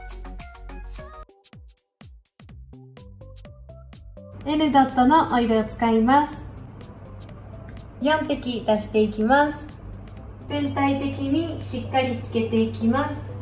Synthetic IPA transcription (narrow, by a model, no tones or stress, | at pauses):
e̞nɯ̟d̪ot̪ːo̞no̞ʔoiɾeot͡sɨ̥kaimasɨ̥ | jõ̞nt̪e̞kʲid̪aɕi̥t̪e̞ikʲimasɨ̥ | t̪ẽ̞nt̪ait̪e̞kʲiɲ̟iɕikːaɾʲit͡sɨ̥ke̞t̪e̞ikʲimasɨ̥